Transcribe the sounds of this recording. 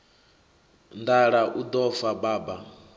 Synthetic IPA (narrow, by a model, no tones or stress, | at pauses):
ndaɺaʔud̪ɔfabaːba